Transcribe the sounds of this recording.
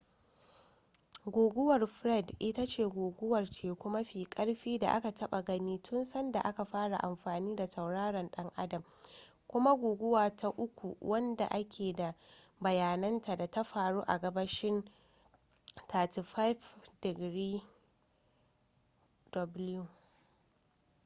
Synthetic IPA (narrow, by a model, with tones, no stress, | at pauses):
ɡʷoː˨ɡʷʊ˦wɐ˨rɸɾɛ˦˨dʔɪ˦ta˦t͡ʃeː˦˨ɡʷoː˨ɡʷʊ˦wɐ˨rt͡ʃeː˨kʷʊ˦ma˦ɸiː˨kʼɐ˦ɽɸiː˦da̰˨ʔa̰˦ka˨tʰɐ˦ɓa˨ɡɐ˦niː˦tʰʊ˦nsɐ˦nda˨ʔa˦ka˨ɸaː˦ɽa˨ʔa˨mɸaː˨niː˦da˨sɐ˨wɽaː˦ɽɐ˨nɗɐ˦ŋʔa˦dɐ˨m | kʷʊ˦ma˦ɡʷoː˨ɡʷʊ˦waː˨tʰa˦ʔʊ˦kʷṵ˨wʔɐ˦nda̰˨ʔa˦kʲʰeː˨da˨ | bɐ˨jaː˨nɐ˦nta˨da˨ta˦ɸaː˨ɽuː˦ʔa̰˨ɡɐ˦bɐ˦ʃɪ˦n | tʰaː˨ti˨ɸa˦jfdɪ˨ɡɾiː˦ | dɔ˨blju˨